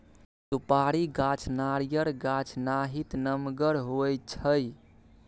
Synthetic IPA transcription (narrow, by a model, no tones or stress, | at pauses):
t̪upaɾiɡat͡ʃʰnaɾijəɾɡat͡ʃʰnaɦit̪nəmɡəɾɦoj̚t͡ʃʰəj